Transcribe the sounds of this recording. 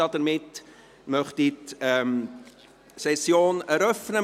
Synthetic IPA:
ɑdəɾmɪt | mœχtitɛm | sɛsjoːnɛɾœfnə

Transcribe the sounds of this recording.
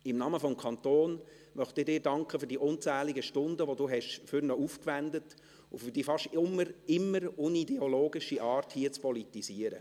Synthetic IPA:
ɪmnɑːməfɔmkʰɑnt̪oːn | mœχtd̥ɪːɾdɪːɾdɑŋkχəfyːɾd̥iːʔʊnt͡sæːlɪɡəʃtʊndəʋoduːɦɛʃfʏɾnɔuːfkʋændət | ufyɾd̥iːfɑʃtɪmːəɾɪmːəɾʊnidɛoloːɡɪʃiʔɑːɾthiət͡spɔlitisiːəɾə̰

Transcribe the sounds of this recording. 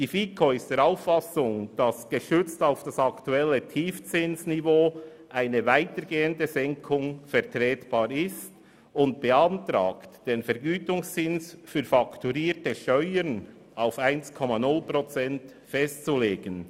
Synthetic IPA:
d̥iːfiːkʰoɪstd̥eːɾaʊfːɑsʊŋd̥ɑsɡ̥əʃʏt͡staʊfd̥ɑsɑktuɛlːətʰiːft͡sɪnsnivoː | ʔaɪnəvaɪtəɾɡeːəndəzɛŋkʰʊŋfɛʁtʁɛːtb̥ɑːɾɪst | ʊnt̚b̥əɑntɾa̰ːktd̥eːnfɛɾɡyːtʊŋst͡sɪnsfyːɾfɑktuɾiːtəʃœʏən | aʊfaɪnskʰɔmɑnʊlpʁot͡sɛnt | fɛstt͡suleːɡ̥ən

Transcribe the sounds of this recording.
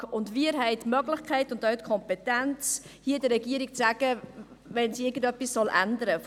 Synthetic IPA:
ʊndviɾɦɛɪtmœɡlɪχkʰɛɪtʊndœɥtkʰɔmpɛtɛnt͡s | hiːdəɾɛɡiːəɾikt͡sæɡ̥ə | vɛnsiɪɡən̩dœpːissɔlʔændəɾə

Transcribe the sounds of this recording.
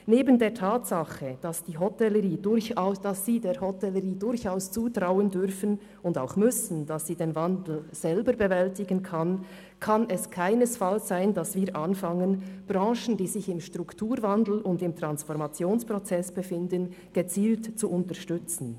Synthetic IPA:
neːbəndeːɐtʰaːtsɑχəd̥asd̥iːɦɔtɛləɾiːdʊçʊd̥asːiːdeːɾhɔtɛləʁiːdʊɾçaʊst͡suːtʁaʊəndʏɾfən | ʊnda̰ʊxmʏsn̩d̥ɑsːiːdenvandl̩z̥ɛlbəɾbəvɛltɪɡənkʰan | kʰɑnɛskʰaɪnəsfalszaɪndɑsviːɾʔanfɑŋənb̥ɾɑ̃ːʃn̩diːzɪçɪmʃtʁ̥ʊktʰuːɾvandl̩ʊndɪmtʁ̥ansfɔɾmɑt͡sjoːnspʁ̥ɔt͡sɛsb̥əfɪndən | ɡ̥ət͡siːltt͡suʔʊntəʃtʏt͡sn̩

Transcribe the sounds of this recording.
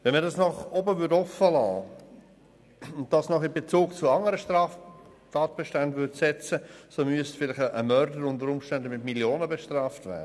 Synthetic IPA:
vɛnmədɑsnɔχɔbəvʏdɔfəlɑ̰ː | ʊnt̚d̥ɑsnɔχɪmbet͡suːɡt͡suɑŋəɾəʃtɾɑːf | tɑːt̚b̥eʃtændvʏtsɛt͡səsomyəstfɪlɪχəʔəmœɾdəɾʊntəɾʊmʃtændəmɪtmiljoːnəbeʃtrɑːftvɛ̰ːdə

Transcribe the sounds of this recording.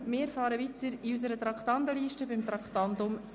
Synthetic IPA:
mɪːɾfɑːɾəʋit̪əɾiys̬əɾət̪ɾɑkχtɑnd̪əliːʃtəbɪmt̪ɾɑkχtɑndʊms

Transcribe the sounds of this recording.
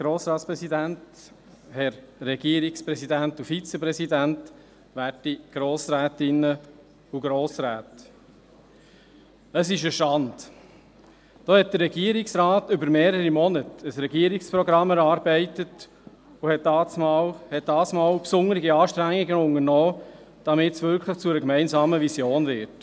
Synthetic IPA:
ɡ̥ɾoːsɾɑːtspɾɛsidænt | hɛɾːɛɡ̥iəɾikspɾɛsidænt̪ufit͡sɛpɾɛsidænt | ʋætiɡ̥ɾɔːsɾæːt̪ɪnːə | uɡ̥ɾɔːsɾæːt | əsɪʃəʃtɑnd̪̥ | d̥oːhɛt̚d̥ərːɛɡiəɾiksɾɑːtʏbəɾmeːɾəɾimɔnətəsɾɛɡiəɾikspɾɔɡɾɑmːɛɾɑːɾbɛɪtət | ʊhɛt̚dɑsmɑlhɛt̚d̥ɑːsmɑːlpsʊŋəɾɪɡiɑːʃtɾæŋːiɡəʊŋəɾnɔː | d̥ɑmɪtsʋʏɾkʰləχt͡sʊɛɾəkmɛɪnzɑːməvisjoːnvɪɾt

